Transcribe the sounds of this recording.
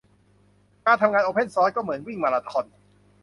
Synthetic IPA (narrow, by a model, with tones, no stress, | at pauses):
kaː˧nt̪ʰa˧ŋaː˧nʔoː˧pʰe˥˩nsɔː˦˥tkɔː˥˩mɯ˩˦ə˦nwi˥˩ŋmaː˧ɾaː˧t̪ʰɔ˧n